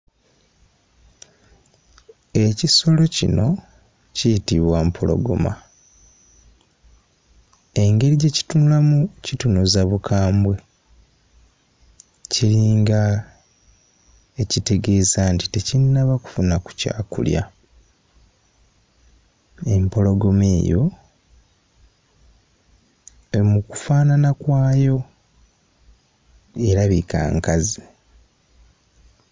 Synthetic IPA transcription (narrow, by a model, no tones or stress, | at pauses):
e̞ciso̞lo̞cḭno̞ | citiβwampʰolo̞̰ɡo̰ma̰ | e̞ŋɡe̞ɾiɟe̞ci̥tunulamucitunuzaβukʰaːmbwe̞ | ciɾiːŋɡa | ecite̞ɡe̞ːzantite̞cinːaβaku̥funaku̥ca̰ːkṵlja̰ | e̞mpo̞lo̞ɡo̞meːjo̞ | emuku̥faːnanakwaːjo̞ | e̞ɾaβika̰ːŋkazi